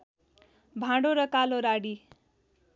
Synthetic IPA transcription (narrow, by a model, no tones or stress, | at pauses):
bʱãɖoɾʌkaloɾaɽi